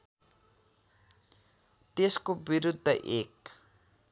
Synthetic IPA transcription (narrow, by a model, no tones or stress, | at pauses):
t̪eskobiɾud̪ʱːəʔek